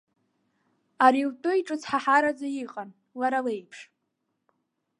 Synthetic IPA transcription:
aɾiwtʼʊjʈ͡ʂʼɨt͡sħaħaɾad͡zaiqʼan | laɾale̞jpʰʂ

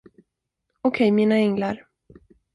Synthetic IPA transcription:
ɔkʰɛjmiːnaɛŋlaɾ

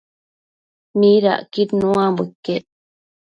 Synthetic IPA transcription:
niɾa̰ʔkit̪nũambekːe

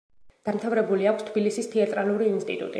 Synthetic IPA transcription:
d̪̥amt̪ʰavɾɛbuliakʰst̪ʰbilisist̪ʰiat̪ʼɾaluɾiːnst̪ʼḭt̪ʼṵt̪ʼḭ

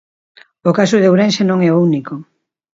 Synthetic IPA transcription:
okasʊðeowɾẽnsenõŋɛouniko

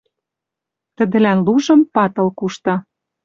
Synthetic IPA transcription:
t̪ə̆d̪ə̆lænluʒɤ̆mpɑt̪ɤ̆lkuʃt̪ɑ

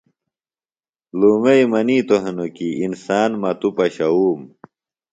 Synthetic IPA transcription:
luːmɐimɐniːt̪oɦenokiːnsaːnmɐt̪upɐɕɐuːm

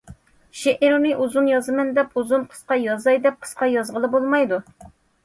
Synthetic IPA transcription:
ʃeʔɪɾnɪʔuzunjɑzɨmɛnd̪ɛpʰuzunqʰə̥sqɑjɑzɑjd̪ɛp̚qʰə̥sqɑjɑzʁəlˠɨbolˠmɑjd̪u

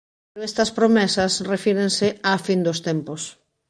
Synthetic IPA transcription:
ɾest̪ɐspɾomɛsasrefiɾenseafind̪ost̪empos

